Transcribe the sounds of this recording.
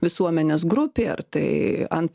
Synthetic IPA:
ʋʲɪsuɔmʲɛnʲeːs̬ɡɾʊpʲeːɐ̰rt̪ɐɪɐ̰nt̪

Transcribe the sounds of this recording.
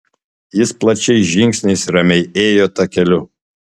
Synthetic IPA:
jɪsplˠɐt͡ʃʲɛɪʒʲɪŋʲksʲnʲɪsɾɐmʲɛɪeːjoːt̪ɐkʲɛlʲʊ

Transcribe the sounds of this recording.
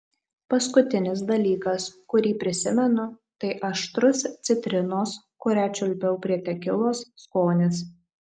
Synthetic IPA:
pɐskʊt̪ʲɪnʲɪs̬d̪ɐlʲiːkɐskʊɾʲiːpʲɾʲɪsʲɪmʲɛnʊt̪ɐɪʔɐʃt̪ɾʊst̪sʲɪt̪ʲɾʲɪnoːskʊɾʲæt͡ʃʲʊlʲpʲɛʊpʲɾʲiɛt̪ʲɛkʲɪlˠoːsːkoːnʲɪs

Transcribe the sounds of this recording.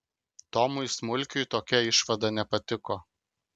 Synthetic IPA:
t̪ɔmʊjsmʊlʲkʲʊjt̪oːkʲɛɪʃʋɐd̪ɐnʲɛpɐt̪ʲɪko

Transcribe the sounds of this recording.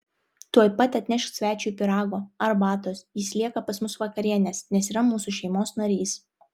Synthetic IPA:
t̪uɔjpɐt̪ʲɐt̪ʲnʲɛʃksʲʋʲæːt͡ʃʲujpʲɪɾɑːɡoːɐɾbɑːt̪oːsjɪsʲlʲiɛkɐpɐsmʊsʋɐkɐɾʲiɛnʲeːsnʲɛsiːɾɐmuːsuʃʲɛɪmoːsnɐɾʲiːs

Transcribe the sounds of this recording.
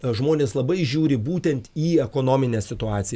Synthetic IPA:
ʒmoːnʲeːslˠɐbɐɪʒʲuːɾʲɪbuːt̪ʲɛnt̪iːɛkoːnoːmʲɪnʲeːssʲɪt̪ʊɑːt̪sʲɪ

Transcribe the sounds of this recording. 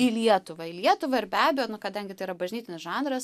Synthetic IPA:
ɪlʲiɛt̪ʊʋɐɪlʲiɛt̪ʊʋɐɪɾbʲæːbʲɛjoːnʊkɐd̪ɐŋʲɡʲɪt̪ɐɪiɾɐbɐʒʲnʲiːt̪ɪnʲɪsʒɑːnd̪ɾɐs

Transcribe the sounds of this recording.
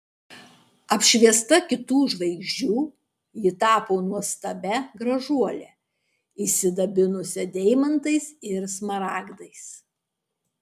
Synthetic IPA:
ɐpʲʃʲʋʲiɛst̪ɐkʲɪt̪uːʒʋɐɪɡʒʲd͡ʒʲuː | jɪt̪ɑːpoːnuɔst̪ɐbʲɛɡɾɐʒuɔlʲɛ | iːsʲɪd̪ɐbʲɪnʊsʲɛd̪ʲɛɪmɐnt̪ɐɪsɪɾsmɐɾɑːɡd̪ɐɪs

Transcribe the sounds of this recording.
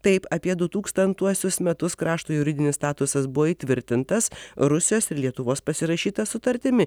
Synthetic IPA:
t̪ɐɪpɐpʲiɛd̪ʊt̪uːkst̪ɐnt̪uɔsʲʊsmʲɛt̪ʊskɾɑːʃt̪uːjʊɾʲɪd̪ʲɪnʲɪsst̪ɑːt̪ʊsɐsbʊʋoːiːt̪ʲʋʲɪɾʲt̪ʲɪnt̪ɐsɾʊsʲɪjoːsɪɾlʲiɛt̪ʊʋoːspɐsʲɪɾɐʃʲiːt̪ɐsʊt̪ɐɾʲt̪ʲɪmʲɪ

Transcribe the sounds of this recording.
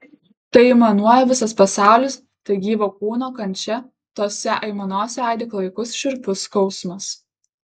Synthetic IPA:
t̪ɐɪɪmɐnuɔjɛʋʲɪsɐspɐsɑˑʊlʲɪs | t̪ɐɪɡʲiːʋoːk̚uːnoːkɐnʲt͡ʃʲɛ | t̪oɔsʲɛʔɐɪmɐnoːsʲɛɐˑɪd̪ʲɪklˠɐɪkʊsʃʲɪɾʲpʲʊskɔʊsmɐs

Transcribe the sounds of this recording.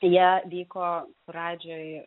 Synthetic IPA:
jiɛʋʲiːkoː | ɾɑːd͡ʒʲoːj

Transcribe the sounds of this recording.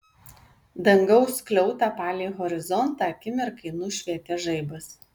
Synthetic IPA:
d̪ɐŋɡɐʊsklʲɛʊt̪ɑːpɑːlʲeːɣɔɾʲɪzɔnt̪ɑɐkʲɪmʲɪɾkɐɪnuːʃʲʋʲiɛt̪ʲɛːʒɐɪbɐs

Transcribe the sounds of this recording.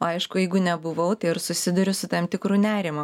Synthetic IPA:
oːɐɪʃkʊjɛɪɡʊnʲɛbʊʋɐʊt̪ɐɪɪrsʊsʲɪd̪ʊɾʲʊsʊt̪ɐmt̪ʲɪkɾuːnʲæːɾʲɪmʊ

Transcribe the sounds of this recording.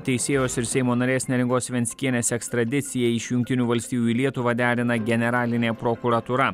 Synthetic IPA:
t̪ʲɛɪsʲeːjoːsɪɾsʲɛɪmoːnɐɾʲeːsʲnʲeːɾʲɪŋɡoːsʋʲɛnʲsʲkʲiɛnʲeːsʲɛkst̪ɾɐd̪ʲɪt̪sʲɪjɛɪʃjʊŋkʲt̪ʲɪnʲuːʋɐlʲsʲt̪ʲiːjuilʲiɛt̪ʊʋɐd̪ʲæːɾʲɪnɐɡʲɛnʲɛɾɑːlʲɪnʲeːpɾoːkuɾɐt̪uːɾɐ

